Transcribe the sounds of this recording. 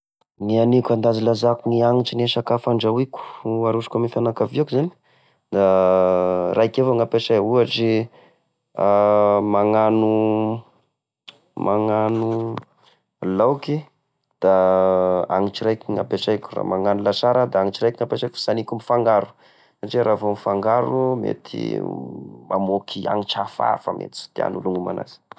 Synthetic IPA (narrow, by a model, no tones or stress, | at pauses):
nianikʲand̪azilazakuniaŋiʈ͡ʂineʃakafaɳɖ͡ʐawikʲu̥aɾuʂu̥kamifanakaviakuzani̥ | d̪a | rajkevoŋapesauaʈ͡ʂi | amaŋanu | maŋanu | lawki | d̪̥a | aŋiʈ͡ʂiɾajkiŋapesajkʲu̥ra̰maŋanulasaɾəd̪aaŋit͡ʃiɾajkiŋapeʈ͡ʂajkfi̥sanikʲumifaŋɡaɾu̥ | saʈ͡ʂeɾavomifaŋɡaɾumḛt̪ʰḭ | mamokʰia̰ŋit͡ʃafa̰fa̰mʔḛt̪i̥su̥t̪ia̰nuluŋuma̰na̰z̥i̥